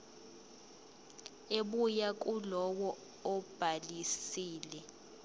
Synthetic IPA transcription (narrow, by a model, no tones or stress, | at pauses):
eɓujakʼulɔwɔ | ɔb̥ʱalisiːlɛ